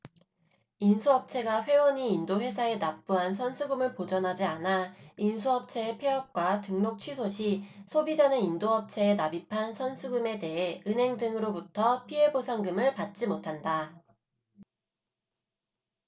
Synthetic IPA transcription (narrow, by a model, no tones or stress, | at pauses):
insʰuɦʌp̚t͡ɕʰe̞ɡaɸwe̞wʌɲiːndoɸwe̞sʰae̞nap̚p͈uɦansʰʌnsʰuɡumɯɭpod͡ʑʌnɦad͡ʑianainsʰuɦʌp̚t͡ɕʰe̞ːpʰeɦʌp̚k͈watɯŋnok̚t͡ɕʰɥisʰoɕʰisʰobid͡ʑanɯnindoɦʌp̚t͡ɕʰe̞ːnabipʰansʰʌnsʰuɡume̞te̞ɦe̞ɯnɦe̞ŋdɯŋɯɾobutʰʌpʰiɦe̞bosʰaŋɡɯmɯɭpat̚t͡ɕ͈imotʰanda